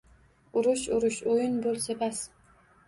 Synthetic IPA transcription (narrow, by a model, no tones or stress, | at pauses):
ʊɾʊʃʊɾʊʃojʊnbolˠsepas